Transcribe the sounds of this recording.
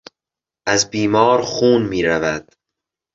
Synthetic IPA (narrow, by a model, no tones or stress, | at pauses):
ʔæzbiːmɒːɾxuːnmiːɾævæd̪̥